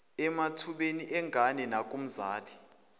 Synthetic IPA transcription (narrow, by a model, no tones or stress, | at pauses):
ɛmatʰuɓeniʔɛŋʱanɛnak̬ʼum̩zaːtʰi̥